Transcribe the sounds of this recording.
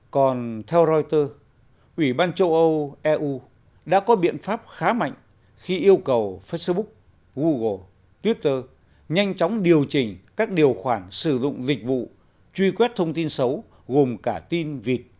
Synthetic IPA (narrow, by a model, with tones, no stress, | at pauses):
kɔ˨˩nt̪ʰɛ˧wzɔ˧jt̪əː˧ | ʔwi˧˩ɓaː˧nt͡ɕə˧wʔə˧wʔɛ˧ʔu˧ | ɗa̰ː˧˥kɔ˨˦ɓḭ˧˨ənfaː˦˥p̚xaː˨˦ma̰˧˨jŋ̟ | xi˧ʔi˧əwkə˨˩wfe˦˥sɓʊ˦˥k̚ | ɣu˧ɣo˨˩ | t̪wi˦˥p̚t̪əː˧ | ɲa˧jŋ̟t͡ɕɔ˨˦wŋ͡mɗi˨˩əwt͡ɕï˨˩ŋ̟kaː˦˥k̚ɗi˨˩əwxwaː˧˩nsɨ˧˩zʊ̰˧˨ŋ͡mlï˨˩k̟̚vṵ˧˨ | t͡ɕwi˧kwɛ˦˥t̚t̪ʰə˧wŋ͡mt̪i˧nsə˨˦w | ɣo˨˩mkaː˧˩t̪i˧nvi˨˩t̚